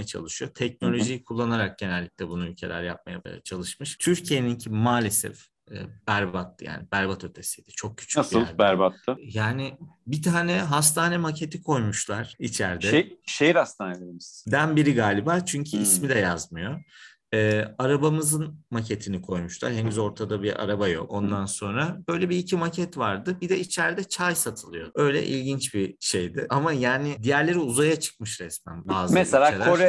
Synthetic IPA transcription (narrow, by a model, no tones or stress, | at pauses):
jat͡ʃʰa̰lˠɯʃɯjo̞t̪ʰɛc̚no̞lʲo̞ʒijkʰulˠːanaɾak̚ɟenælʲːiclʲɛbunuylʲcʰe̞lʲæ̰ɾjap̚ma̰ja̰ba̰ja̰t͡ʃʰalˠɯʃmɯʃt̪ʰyɾcʰije̞niɲcʰimaːlʲe̞sɛ̰fː | b̥æɾbat̪ːɯja̰ːnibæɾbat̪ʰø̞t̪ʰe̞sijd̪ɛt͡ʃʰo̞k̚cʰy̥t͡ʃʰysɯlˠbæɾbat̪ʰlɯjaːnɪbit̪ʰaːnɛɦas̬t̪ʰaːnɛmacʰe̞t̪ʰikʰo̞jmuʃlˠaɾ̥it͡ʃʰæɾd̪ɛʃejiɾast̪ʰaːneleimiz̥d̪ænbiɾiɡaːlʲibaɾt͡ʃʰyɲcʰyismid̪ɛjazmɯjo̞ | ɛːaɾabamɯzɯnmacʰe̞t̪ʰinikʰojmuʃlˠa̰ɾhe̞nyzo̞ɾt̪ʰad̪abia̰ɾabajo̰ko̞nd̪anso̞nɾabø̞jlʲɛbiːcʰimacʰɛt̪vaɾd̪ɯbid̪ɛit͡ʃʰæɾd̪ɛt͡ʃʰajsat̪ʰɯlˠɯjo̞̰ø̞jlʲɛ̰ʔḭlʲɟint͡ʃbiʃejd̪ɪʔamajaːnɪd̪ijæɾlʲe̞ɾiuzajat͡ʃʰɯ̥k̚mɯʃɾɛsmæ̰nbaːzmɛselʲaoɾɛ